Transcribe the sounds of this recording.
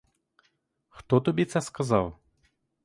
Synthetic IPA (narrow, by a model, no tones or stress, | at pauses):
xt̪ɔt̪ɔbʲit̪sɐskazaw